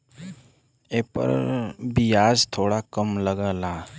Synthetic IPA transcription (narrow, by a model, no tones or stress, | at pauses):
eːpə̰ɾbijaːd͡ʒt̪ʰoːɽakəmləɡala